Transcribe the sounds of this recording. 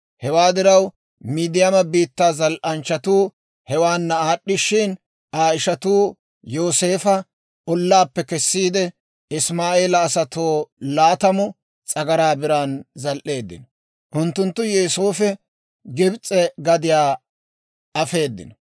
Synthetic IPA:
hɛwaːd̪ɪɾɐw | miːd̪ɪjɐmɐbiːt̪ːaːzɐlʔɐnt͡ʃːɐt̪uː | hɛwaːnːɐaːɗːɪʃːɪn | aːɪʃɐt̪uː | jo̞ːse̞ːfɐ | ɔlːaːpːɛkɛsːiːd̪ɛ | ɪsmaːeːlɐːsɐt̪oːlaːt̪ɐmʊ | t͡sʼɐɡɐɾaːbɪɾaːnzɐlʔe̞ːd̪ːɪ̰n | ʔʊnt̪ːʊnt̪ːʊjɛːsoːfɛ | ɡɪbt͡sʼɛɡɐd̪ɪjaː | ɐfe̞ːd̪ːɪ̰nɐ

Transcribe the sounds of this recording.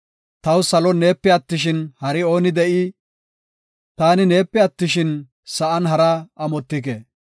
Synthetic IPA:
t̪ɐwsɐlɔne̞ːpːɛɐt̪ːɪʃ̬ɪnhɐɾɪo̞ːnɪd̪ɛʔɪ | t̪aːnɪne̞ːpːɛɐt̪ːɪʃɪn | sɐʔɐnɦɐɾaːʔɐmɔt̪ːɪk̬eː

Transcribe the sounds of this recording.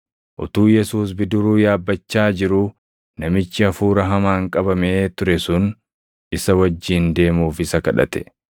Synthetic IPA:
ʔʊ̰t̪uːjɛsuːs̬bɪd̪ʊɾuːjaːbːɐt͡ʃːaːd͡ʒɪɾuː | nɐmɪt͡ʃːɪɐfuːɾɐɦɐmaːŋkʼɐbɐmeːt̪ʊɾɛsʊn | ʔɪsɐwɐd͡ʒːiːnd̪e̞ːmuːfɪsɐkɐᶑɐ̰t̪ɛ̥

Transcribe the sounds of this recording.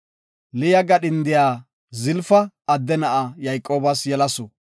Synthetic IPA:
lɪjɐɡɐɗɪnd̪ɪjaː | zɪlfɐ | ɐd̪ːɛnɐʔajɐjkʼːoːbɐsjɛlɐsɔ

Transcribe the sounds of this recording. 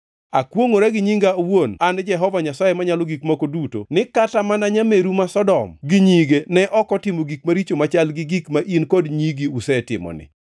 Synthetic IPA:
akwoŋoɾɛɡɪɲiŋɡawonand͡ʒɛɦɔvaɲasajemaɲalɔɡikmakoduto̰nɪkatamanaɲameɾumasɔdɔmɡɪɲiɡenɛʔɔkɔtɪmoɡik̚maɾit͡ʃomat͡ʃalɡɪɡikmaʔinkɔdɲiɡiusɛtɪ̰mɔ̰nɪ̰

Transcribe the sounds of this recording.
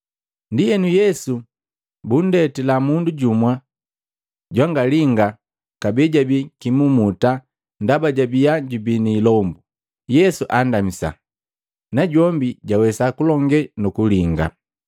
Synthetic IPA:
ndijɛnujɛsu | bun̩dɛtɛlamunduɟumwa | ɟwaŋɡaliŋɡa | kabɛɟabikimumuta | ndabaɟabijaɟubiniːlɔmbu | jɛsuʔandamisa̰ | naɟɔmbiɟawɛsakulɔŋɡɛnukuliŋɡa̰

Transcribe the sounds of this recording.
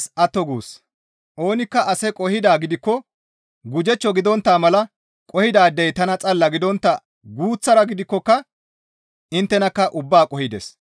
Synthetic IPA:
sɐt̪ːɔɡuːs | ʔo̞ːnɪkːɐʔɐsɛkʼɔhɪd̪aːɡɪd̪ɪkːɔ | ɡʊd͡ʒɛt͡ʃːɔɡɪd̪ɔnt̪ːaːmɐlɐ | kʼɔhɪd̪aːd̪ɛjt̪ɐnɐt͡sʼɐlːɐɡɪd̪ɔnt̪ːɐ | ɡuːt͡sːɐɾɐɡɪd̪ɪkːɔkːɐ | ɪnt̪ːɛnɐkːɐʔʊbːaːkʼɔhɪd̪ɛ̰s

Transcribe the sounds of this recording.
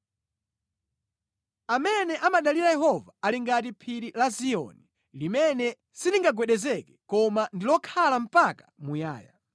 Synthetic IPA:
amɛnɛʔamaɗaliɾajɛɦɔvaaliŋɡatipʰiɾilasiɔ̰ni | limɛnɛ | siniŋɡaɡwɛɗɛzɛkɛ̥kɔmandilɔkʰalam̩pakḁmuja̰ːja

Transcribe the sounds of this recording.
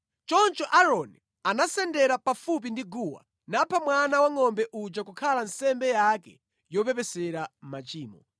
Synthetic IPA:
t͡ʃɔnt͡ʃɔʔaɾɔni | anasɛndɛɾapafup̬indiɡuːwa̰ | napʰamwanawaŋɔmbɛʔud͡ʒakukʰalansɛmbɛjakɛ̰ | jɔp̬ɛpɛsɛɾam̩mat͡ʃiːmɔ

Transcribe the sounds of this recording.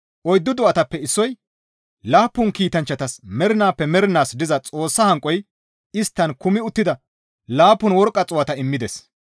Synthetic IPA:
ʔɔjd̪ːɔd̪ɔɐt̪ɐpːɛɪsːɔj | laːpːʊnkiːt̪ɐnt͡ʃːɐt̪ɐsmɛɾɪnaːpːɛmɛɾɪnaːsd̪ɪzɐt͡sʼo̞ːsːɐhɐŋkʼːɔj | ɪst̪ːɐnkʊmɪʊt̪ːɪd̪ɐ | laːpːʊnwɔɾkʼːɐt͡sʼʊwɐt̪ɐɪmːɪd̪ɛs

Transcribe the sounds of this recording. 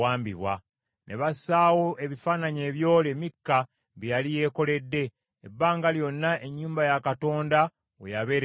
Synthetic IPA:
aːmbiβwa̰ | nʔe̞βasaːwo̞ʔe̞βifaːnaɲe̞ːβjo̞ːlemikːa | βijalije̞ːko̞le̞dːe̞ː | bːaːŋɡaljo̞nːaʔe̞ɲːuːmbajakato̞ːnda | wḛjaβe̞ːɾ

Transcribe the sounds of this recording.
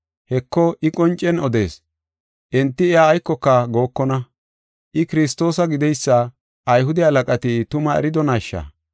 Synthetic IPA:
hɛkːɔʔɪkʼɔnt͡ʃʼːɛnɔd̪e̞ːs | ʔɛnt̪ːɪːjaːjkːɔkːɐɡo̞ːkːɔnɐ | ʔɪkɪɾɪst̪o̞ːsɐɡɪd̪ɛjsːɐ | ɐjɦʊd̪ɛɐlɐkʼɐt̪ɪt̪ʊmɐɛ̰ɾɪd̪ɔnaʃːɐ̰

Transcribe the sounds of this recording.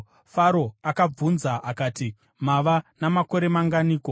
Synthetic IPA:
faɾo̞akab͡vunzaʔakaːti | maʋanamako̞ɾe̞maŋɡaniːko̞

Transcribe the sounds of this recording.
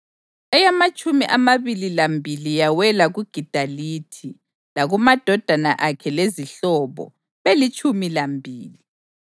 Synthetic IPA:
ɛjamat͡ʃʼumiʔamaβililambʱilijawɛlaɣuɡ̥ʱid̥ʱaliːtʰi | laɣumad̥ʱɔd̥ʱana̰ʔakʰɛleziɬɔːβɔ̰ | βelit͡ʃʼumilambʱiːli

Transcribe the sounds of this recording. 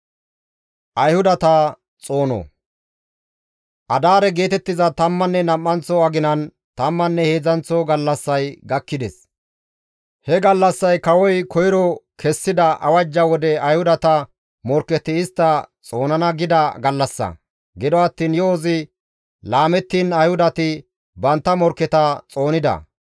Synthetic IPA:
ʔɐjhʊd̪ɐt̪a | t͡sʼo̞ːnɔ̰ | ʔɐd̪aːɾɛɡe̞ːt̪ɛt̪ːɪzɐt̪ɐmːɐnːɛnɐmːɐnt͡sɔɐɡɪnɐn | t̪ɐmːɐnːɛhe̞ːzɐnt͡sɔɡɐlːɐsːɐjɡɐkːɪd̪ɛs | hɛɡɐlːɐsːɐjkɐwɔjkʰɔjɪɾɔkʰɛsːɪd̪ɐʔɐ̰wɐd͡ʒːɐwɔd̪ɛɐjhʊd̪ɐt̪ɐ | mɔɾkːɛt̪ɪɪst̪ːɐt͡sʼo̞ːnɐnɐɡɪd̪ɐɡɐlːɐsːɐ̰ | ɡɪd̪ɔɐt̪ːiːnjɔːzɪ | laːmɛt̪ːiːnɐjhʊd̪ɐt̪ɪ | bɐnt̪ːɐmɔɾkːɛt̪ɐt͡sʼo̞ːnɪd̪ɐ̰

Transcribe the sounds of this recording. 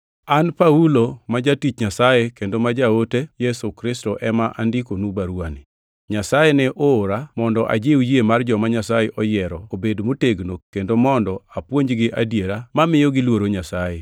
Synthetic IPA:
anpaulomad͡ʒatit͡ʃɲasajekendomad͡ʒaotejɛsukɾɪstɔʔɛmaʔandɪkonubaɾwani | ɲasajenɛʔoːɾamɔndɔʔa̰d͡ʒeujemard͡ʒɔmaɲasajeʔɔjɛɾɔobedmoteɡnokendomɔndɔapwoɲd͡ʒɡɪʔadjeɾamamɪjɔɡɪlwoɾoɲasaje

